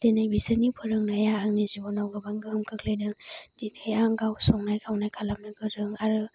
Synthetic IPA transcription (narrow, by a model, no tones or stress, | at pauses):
d̥enɯjbisɯnipʰɯɾɯŋnajaːŋnizibɔnawɡɯbaŋɡɯhɯmkʰɯklajnɯd̥enɯjaŋɡawsɔŋnajkʰawnajkʰalamnɯɡɯɾɯŋaɾɯ